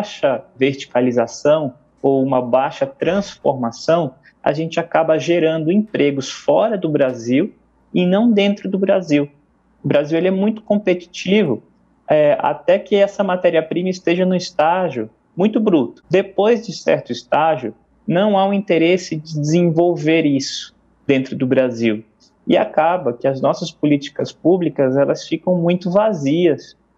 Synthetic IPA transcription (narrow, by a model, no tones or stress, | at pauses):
bʃɐveɾt͡ʃi̥kalizasɐ̃w̃ | owũmɐbajʃɐt̪ɾɐ̃sfoɾmasɐ̃w̃ | a̰ʒẽnt͡ʃɪakabɐʒeɾɐ̃nd̪ʊẽpɾeɡʊsfɔɾɐd̪ʊbɾaziw | ɪnɐ̃w̃d̪ẽnt̪ɾʊd̪ʊbɾaziw | ʊbɾaziwelɪɛmũj̃t̪ʊ̥kõpet͡ʃi̥t͡ʃivʊ | ɛa̰t̪ɛkɪɛsɐmat̪ɛɾiɐpɾĩmɐist̪eʒɐnʊist̪aʒʊ | mũj̃t̪ʊbɾut̪ʊ̥d̪epojzd͡ʒɪsɛ̰ɾt̪ʊist̪aʒjʊ | nɐ̃w̃aũĩt̪eɾesɪd͡ʒɪd͡ʒɪzẽvowveɾisʊ̥ | d̪̥ẽnt̪ɾʊd̪ʊbɾaziw | ɪ̰a̰kabɐkɪɐznɔsɐspʊlit͡ʃi̥kɐspublikɐzɛlɐsfikɐ̃w̃mũj̃t̪ʊvaziɐs